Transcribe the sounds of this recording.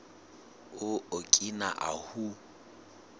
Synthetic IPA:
ʊokʼina̰ʔa̰hu

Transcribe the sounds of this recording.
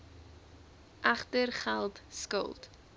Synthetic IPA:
ʔɐχtərχælˠtskə̰lˠt

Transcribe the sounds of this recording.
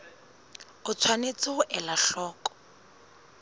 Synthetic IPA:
ʊt͡sʰwanet͡sɪʔɛlaɬɔːkʼɔ̥

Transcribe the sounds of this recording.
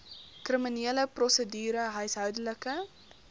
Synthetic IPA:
kriminiələprɔsədyːɾəɦœɥsɦœwdələkə

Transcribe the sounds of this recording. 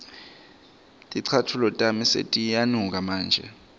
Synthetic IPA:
tʼiǀʰatʰulɔtʼamisḛtʼijanuŋk̬ʼamaːnd͡ʒʱɛ̰

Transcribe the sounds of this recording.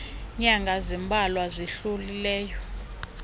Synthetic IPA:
ɲaŋɡʱazimbʱalwaziɬulilɛːjɔ

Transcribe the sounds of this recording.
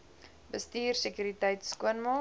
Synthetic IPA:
bəstiːrsəkjyɾitəjtskuənmɑ

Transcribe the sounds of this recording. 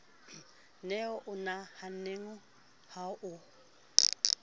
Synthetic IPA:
nɛɔʔʊnahaneŋʊ | haʔʊ

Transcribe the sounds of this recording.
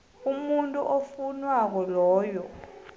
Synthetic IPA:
umuntʼuʔofunwak̬ɔlɔːjɔ

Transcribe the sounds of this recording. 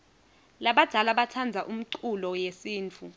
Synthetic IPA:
laɓad̥ʱalaɓatʰand͡zʱaʔum̩ǀulɔjesiːnt͡fʰu

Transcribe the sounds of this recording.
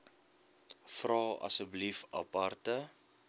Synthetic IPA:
frɑːɐ̰səblifɐ̰pɐrtə

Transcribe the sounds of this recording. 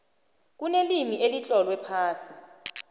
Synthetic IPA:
k̬unelimiʔelit͡ɬʼɔlwɛpʰaːsi̥

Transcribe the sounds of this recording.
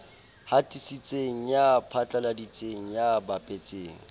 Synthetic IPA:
hatʼisit͡sʼeŋ̩japʰat͡ɬʼaladit͡sʼeŋ̩jabapʼet͡sʼeːŋ̩

